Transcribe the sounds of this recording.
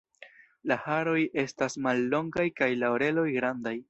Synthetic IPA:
lahaɾo̞je̞stasmalːo̞ŋɡajkajlaoɾe̞lo̞jɡɾandaj

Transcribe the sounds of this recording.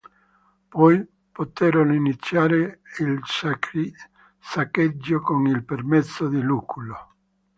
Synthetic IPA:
pɔj | pot̪ɛɾoninit̪sːjaːɾeil | sakːed͡ʒːokoŋilpermet̪sːod̪ilukulo

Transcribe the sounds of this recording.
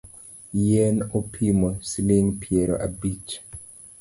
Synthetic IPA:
jɛnopʰimɔsiliŋpʰjɛɾɔ̰ʔabit͡ʃ

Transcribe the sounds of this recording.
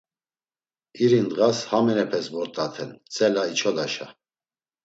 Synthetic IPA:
iɾind̪ɣashamɛnɛpʰɛsvɔɾt̪ʼat̪ʰɛnt͡sʼɛlait͡ʃʰɔd̪aʃa̰

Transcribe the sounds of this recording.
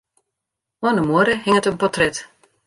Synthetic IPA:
oənəmoɾəhɪŋətənpɔtrɛt

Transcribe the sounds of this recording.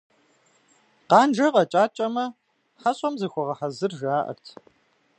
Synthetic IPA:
qɑːnd͡ʒɐʁɐt͡ʃʼaːt͡ʃʼɐmɐ | ħɐɕʼɐmzɨxʷɔʁɐħɐzɨrʒaːʔɐ̰rtʰ

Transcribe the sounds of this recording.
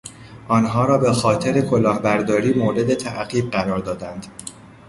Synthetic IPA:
ʔɒːnɦɒːɾɒːbe̞xɒːt̪ʰe̞ɾe̞kʰo̞lɒːhbæɾd̪ɒːɾiːmoːɾe̞d̪e̞t̪ʰæʔɢiːb̚ɢæɾɒːɾd̪ɒːd̪ænd̪̥

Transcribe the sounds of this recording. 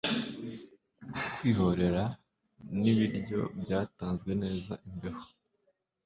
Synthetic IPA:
kwiːɦo̞ɾe̞ɾa | niβiɾɟo̞̰bjaːtaːnzɡwe̞ne̞ːza̰ʔimbe̞ɾo̥

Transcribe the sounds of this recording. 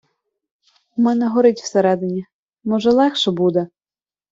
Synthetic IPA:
mɛnɛɦɔɾɪtʲw̥seɾɛd̪enʲi | mɔʒɛlˠɛxʃɛbud̪ɛ

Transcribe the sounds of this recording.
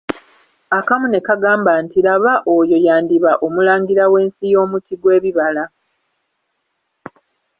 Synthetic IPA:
akamune̞kaɡaːmbantilaβaʔo̞jo̞jaːndiβaʔo̞mulaːŋɡiɾawe̞ːnsijo̞ːmutiɡwe̞ːβiβala

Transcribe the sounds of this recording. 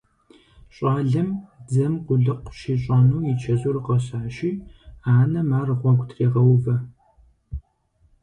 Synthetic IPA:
ɕʼɑːɮɨmd͡zɐmqʷʊɮɨqʷʃiːɕʼanuːjit͡ʃʰɐʑuːrɨqɐɕaːʃiːaːnɐmaːrɨʁʷɔɡʷtʰreːʁɐwvɐ

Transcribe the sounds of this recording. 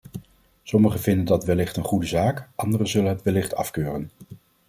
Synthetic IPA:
sɔməχəvɪndəndɑtʋɛlɪχtənχudəzaːkʔɑndərəzɵlənɦətʋɛlɪχtʰɑ̰fkøːrən

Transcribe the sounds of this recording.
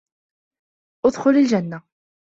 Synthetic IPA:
ʊðχʊləlʒænːa

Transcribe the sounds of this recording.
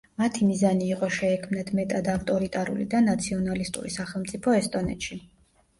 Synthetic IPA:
mat̪ʰimizaniːqʼɔʃɛːkʰmnat̪ʰmɛt̪ʼad̪aft̪ʼɔɾit̪ʼaɾṵlḭd̪anat̪sʰiɔnalist̪ʼṵɾḭsaχɛlˠmt̪sʼipʰɔɛst̪ʼɔnɛ̰t̪ʃi

